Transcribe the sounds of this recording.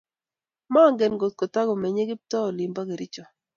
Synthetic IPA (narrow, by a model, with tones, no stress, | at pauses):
ma˦˨ŋɡɛ˨nɡo˨t̪̚ko˨ta˦ɡɔ˨mɛ˨ɲe˦ɡɪ˦p̚tɔ˦ɔ˨lɪ˨mba˦ɡe˨ɾɪ˦t͡ʃɔ˨